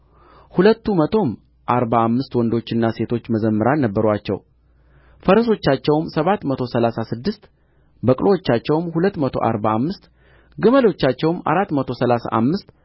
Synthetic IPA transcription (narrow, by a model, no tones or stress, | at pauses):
hulət̪ːumət̪ʰo̞m | ʔaɾbaːmːɨst̪wɔnd̪o̞t͡ʃːɪnːase̞t̪ʰo̞t͡ʃːməzəmːəɾanːəbːəɾat͡ʃːɛ̰w | fəɾəso̞t͡ʃːat͡ʃːɛwmsəβat̪mət̪ʰo̞səlasasɨd̪ːɨst̪ | bəkʼlʔowot͡ʃːat͡ʃːɛwmhulət̪ːmət̪ʰo̞̰ʔa̰ɾbaːmːɨst̪ | ɡɨməlo̞t͡ʃːat͡ʃːɛwma̰ɾat̪ːmət̪ʰo̞səlasa̰ʔamːɨst̪